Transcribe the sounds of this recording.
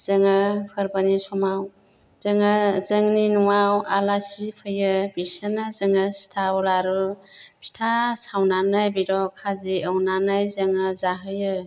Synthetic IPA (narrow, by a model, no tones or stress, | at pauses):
z̥əŋəpʰɯɾbanisɔmaw | z̥əŋəzəŋninuwawalasipʰɯjɯbisənɯzəŋəstʰabɔlaɾupʰi̥tʰasawnanɯjbiɾɔkʰaziəwnanajzəŋɯzaɦɯjɯ